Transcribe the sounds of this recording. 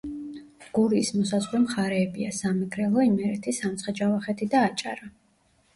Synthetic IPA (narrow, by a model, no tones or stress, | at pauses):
ɡ̥uɾiːsmɔsazʁwɛmχaɾɛːbiasamɛɡʰɾɛlˠɔimɛɾɛt̪ʰisamt̪sʰχɛd͡ʒavaχɛt̪ʰid̪aːt͡ʃʼa̰ɾa